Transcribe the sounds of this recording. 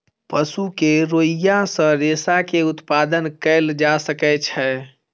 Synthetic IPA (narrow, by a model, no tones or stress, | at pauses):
pəsukeɾoːijasə̃ɾeːsakeʊt̪paːd̪ənkəld͡ʒasəkɛt͡ʃʰɛ